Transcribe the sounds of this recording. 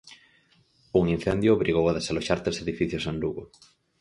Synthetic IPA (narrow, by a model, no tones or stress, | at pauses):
uŋin̟θend̪jʊːβɾiɣ̞owaðesaloʃaɾt̪eseðifiθjosand̪uɣo